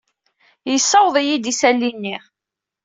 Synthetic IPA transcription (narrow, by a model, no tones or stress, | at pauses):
jəsːɑwðˤijid̪isælːinːi